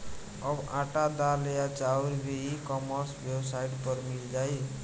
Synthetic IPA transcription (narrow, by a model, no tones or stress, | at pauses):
əbãʈad̪alejat͡ʃauɾbeikɔməɾsbjebsaiʈpəɾmild͡ʒaj